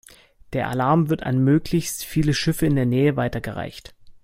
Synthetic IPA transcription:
d̥eːɐʔa̰laɐmvɪɐta̰nmøːklɪçstfiːləʃɪfəɪndeːɐnɛːəvaɪtɐɡəʁa̰ɪçt

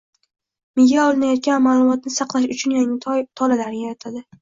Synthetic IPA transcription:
mɪɡʲaɒlɪnajɒt̪̚kʲanmaːlˠʊmɒt̪̚nɪsɑqlˠaʃʊt͡ʃʰʊnjaŋɪt̪ʰɒlalaɾɪajat̪ʰad̪ɪ

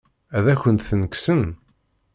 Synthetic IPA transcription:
æðæçənt̪θnəksən

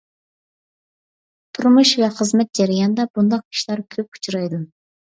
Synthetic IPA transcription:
t̪ʰuɾmuʃvɛχəzmɛt̪̚d͡ʒɛɾjɑnd̪ɛbund̪ɑq̚ʰi̥ʃlɑɾkʲʰøp̚ʰu̥t͡ʃʰuɾɑjd̪u

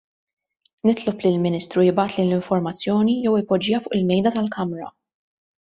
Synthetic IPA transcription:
nɪt̪lɔplilmɪniːst̪ɾujɪbɐːt̪leːnlɪɱfɔɾmɐt͡sːjɔːnijɛwɪpɔd͡ʒiːɐfʊːʔɪlmɛjd̪ɐt̪ɐlkɐmɾɐ

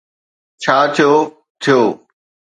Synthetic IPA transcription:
t͡ɕʰaːt̪ʰijoː | t̪ʰijoː

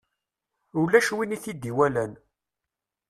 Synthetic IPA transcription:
ulːæʃwiniθid̪iwælæn

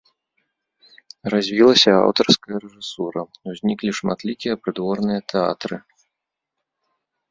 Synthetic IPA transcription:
razʲvʲilˠɐsʲɐa̰wt̪ɐrskɐjɐɾɛʐɨsuɾɐuzʲnʲiklʲiʂma̰t̪lʲikʲijɐpɾɨd̪vɔrnɨjɐt̪ʰɛa̰t̪ɾɨ

